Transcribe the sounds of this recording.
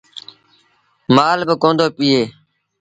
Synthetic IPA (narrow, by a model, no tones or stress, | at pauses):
maːlbəkõːnd̪oːpiːeː